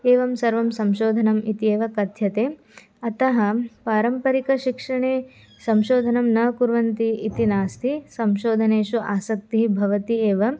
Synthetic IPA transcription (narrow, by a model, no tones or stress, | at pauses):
eːʋɐmsɐɾʋɐmsɐmʃoːd̪ʱɐnɐmit̪ieːʋɐkɐd̪ʱjɐt̪eː | ɐt̪ɐɦɐ̆paːɾɐmpɐɾikɐʃikʂɐɳeː | sɐmʃoːd̪ʱɐnɐmnɐkuɾʋɐnt̪iit̪inaːst̪ʰisɐmʃoːd̪ʱɐneːʃuʔaːsɐk̚t̪iɦibʱɐʋɐt̪ieːʋɐ